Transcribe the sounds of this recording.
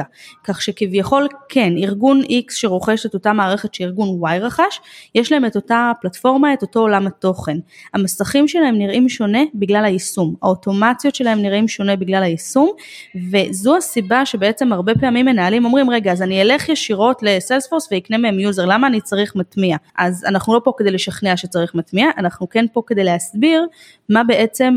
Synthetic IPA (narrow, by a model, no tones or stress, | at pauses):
kaχʃekivjaχo̞lkʰe̞niʁɡunʔiksʃeʁoχeʃeto̞tamaːʁeχetʃeiʁɡunwajʁaχaʃjeʃlaeme̞to̞taplatfo̞ʁmae̞to̞to̞olamato̞χe̞namasaχimʃe̞laemniʁʔimʃo̞ne̞biɡlalhajisuma̰o̞to̞mat͡sjo̞tʃe̞laɦe̞mniʁʔimʃo̞ne̞biɡlalhajisum | ve̞zuasibaʃe̞beet͡se̞maʁbe̞peamimːe̞naːlimo̞mʁimʁe̞ɡaːzaniele̞χjeʃiʁo̞tle̞selsfo̞ʁsveikne̞meemjuzeʁlamaːnit͡saʁiχmatmiaʔazanaχnulo̞po̞ked̪ejleʃaχneaʃet͡saʁiχmatmiaʔanaχnuke̞npo̞ke̞d̪e̞jleɦasbiʁ | mabe̞ʔe̞t͡se̞m